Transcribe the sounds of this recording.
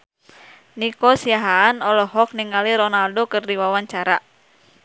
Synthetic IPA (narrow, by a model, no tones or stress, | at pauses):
nikɔsiaɦaːnɔlɔɦɔk̚niŋaliɾɔnaldokɨrdiwawaɲt͡ʃaɾa